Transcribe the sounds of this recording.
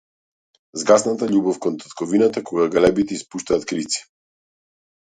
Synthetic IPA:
zɡasnat̪aʎubɔfkɔnt̪ḁt̪kɔvinat̪akɔɡaɡalɛbit̪ɛispuʃt̪aːt̪kɾit̪si̥

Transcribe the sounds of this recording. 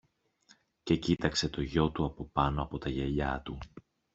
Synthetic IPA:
ce̞cit̪ɐkse̞t̪o̞ʝo̞t̪uɐpo̞pɐnoɐpo̞t̪ɐʝe̞ʎɐt̪u

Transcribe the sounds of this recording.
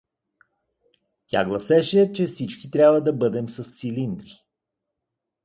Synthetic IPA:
tʲa̰ɡlˠɐsɛʃɛt͡ʃɛfsit͡ʃkit̪ɾʲabvəd̪ɐbɤd̪ɛmsɐst̪silind̪ɾi

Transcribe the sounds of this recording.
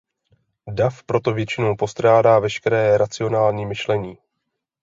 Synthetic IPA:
dafpɾo̞t̪o̞vjɛt͡ʃɪno̞wpo̞st̪ɾaːdaːvɛʃkɛɾɛːɾat͡sɪo̞naːlɲiːmɪʃlɛɲiː

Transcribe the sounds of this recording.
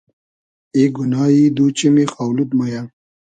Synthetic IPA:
eɡunɑːid̪ut͡ɕimixaːwlut̪̚moja

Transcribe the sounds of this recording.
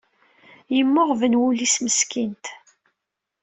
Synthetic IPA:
jəmːʊʁvənwulisməskint̪

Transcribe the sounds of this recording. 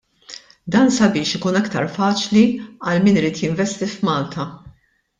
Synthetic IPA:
d̪ɐːnsɐbɪːʃɪkuːnɐkt̪ɐɾfɐːt͡ʃliɐlmiːnɪɾiːt̪jɪɱvɛst̪ifmɐːlt̪ʰɐ

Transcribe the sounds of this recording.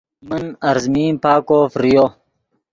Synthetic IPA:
mɐnɐɾzmiːmpaːkofɾijo

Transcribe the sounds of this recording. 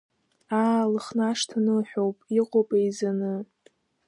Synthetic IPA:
aːlɨχnaʂtʰanɨlħʷᶣowpʼiqʷʼopʼajzanɨ

